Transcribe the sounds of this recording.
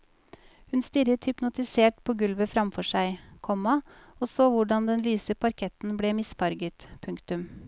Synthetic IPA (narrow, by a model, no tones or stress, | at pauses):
hʉnst̪ʏɾət̪hʏpnʊt̪ɪseːʈpʰoːɡʉlʋəfɾɑmfɔʂæɪkʰɔmɑoːsoːʋʊɖɑnd̪ɛnlyːsəpʰɑɾkʰɛt̪n̩bleːmɪsfɑɾɡət̪pʰʉŋkt̪ʉm